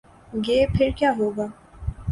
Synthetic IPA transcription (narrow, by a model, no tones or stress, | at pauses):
ɡeːpʰɪɾkjaːɦoːɡaː